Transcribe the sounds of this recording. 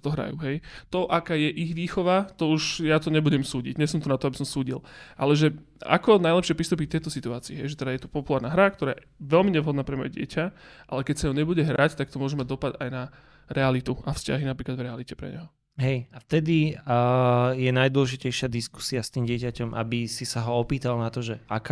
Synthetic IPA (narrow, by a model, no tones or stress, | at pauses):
t̪ɔɦɾa̰jṵɦɛjt̪ɔʔakaːjɛʔiɣʋiːxɔʋat̪ɔuʃjat̪ɔɲɛbuɟɛmsuːɟḭɟɲɛsɔmt̪ɔnat̪ɔabisɔmsuːɟḭlʔalɛʒɛ | a̰kɔnajlɛpʃɪɛpɾist̪uːp̬ic̚t̪ɛjt̪ɔsit̪uaːt͡siːɦɛ̰jʒɛt̪ɛd̪ajɛt̪u̥pɔpulaːɾnaːɦɾakt̪ɔɾaːjɛ | ʋɛlmiɲɛʋɦɔd̪naːpɾɛmɔ̰jɛɟɪɛ̰caʔa̰lɛkɛcsajɔɲɛbuɟɛɦɾact̪ak̚t̪ɔmʊɔʒɛmaɟd̪ɔpad̪ajna | ɾɛalit̪uafsca̰ɦinapɾiklad̪vɾɛalicɛpɾɛ̰ɲɛ̰ɦɔ | ɦɛjaft̪ɛd̪i | jɛnajd̪ʊwɔlɛʒicɛjʃɪad̪isku̥siast̪iːmɟɪɛcacɔmʔa̰bisisaɦɔɔpiːt̪alnat̪ɔʒɛa̰kː